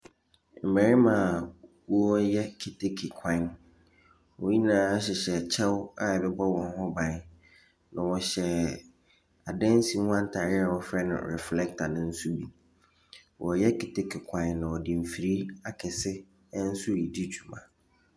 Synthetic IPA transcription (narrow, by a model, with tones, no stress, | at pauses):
m̩˨bæ˨ɾi˦mã˨ | wɔ˦ɔ˦jɛ˦kʰi˨tʰe˦kʰɪ˨kʰã˦n | wɔ˨˦ɲĩ˦nãː˨˦ɕ̬ɪ˨ɕɛ˨t͡ɕʰɛ˦wa˦ɛ˨bɛ˦bɔ˦wɔ̃˨n˦hɔ̃˦bã˨˦n | nã˨wɔ˨ɕɛ˨ | a˨dɛ̃˦n˦si˨˦hã˦n̩˦tʰa˨ɾɪ˦a˨wɔ˦fɾɛ˦nʊ̰̃˨ɾɛ̰˨flɛ˦k̚tʰa˨nʊ̃˦n̩˦su˦bi˨ | wɔ˨jɛ˦kʰi˨tʰe˦kʰɪ˨kʰã˦nːã˨wɔ˨dĩ˨m̩˨fi˨ɾi˦a˦kʰɪ˨sɪ˦ | n̩˦su˦ɾi˨di˦t͡ɕʰu˨mã̰˨